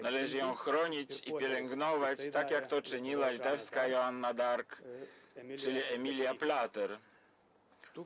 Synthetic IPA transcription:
nalɛʐɘjɔ̃w̃xɾɔɲit͡ɕipʲjɛlɛŋɡnɔvat͡ɕt̪akjakt̪ɔt͡ʂɘɲiwalʲit̪ɛfskajɔanːad̪aɾk | t͡ʂɘlʲiɛmʲilʲjaplat̪ɛɾ

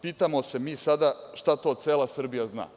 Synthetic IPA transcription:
piːt̪amose̞miːsad̪aʂt̪at̪o̞ːseːlˠasr̩bijazna̰ː

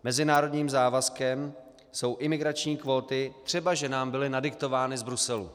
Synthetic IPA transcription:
mɛzɪnaːɾo̞dɲiːmzaːvaskɛm | so̞wʔɪmɪɡɾat͡ʃɲiːkvo̞ːt̪ɪt̪r̥ɛbaʒɛnaːmbɪlɪnadɪkt̪o̞vaːnɪzbɾusɛlṵ

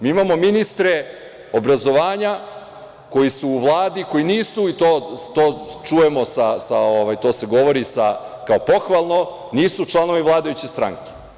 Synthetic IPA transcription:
miːimamo̞minist̪ɾe | o̞bɾazo̞ʋaːɲa | ko̞jisuːʋlˠaːd̪iko̞jiniːsuit̪oːt̪oːt͡ʃuje̞mo̞sasaoʋajt̪o̞ːse̞ɡo̞ʋo̞ɾisakao̞po̞xʋalˠno̞ | niːsut͡ʃlˠano̞ʋiʋlˠaːd̪ajut͡ɕest̪ɾa̰ŋke̥

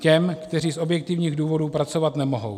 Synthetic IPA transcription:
cɛmkt̪ɛr̝iːso̞bjɛk̚t̪ɪvɲiːɣduːvo̞duːpɾat͡so̞vat̪nɛmo̞ɦo̞̰w

